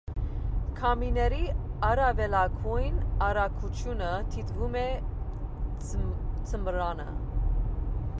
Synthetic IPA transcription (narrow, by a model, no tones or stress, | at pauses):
kʰɑminɛɾiɑɾɑvɛlɑɡʰujnɑɾɑkʰut͡ʃʰjunət̪ʰit̪ɡumɛ | t͡sʰəmɾɑnə̰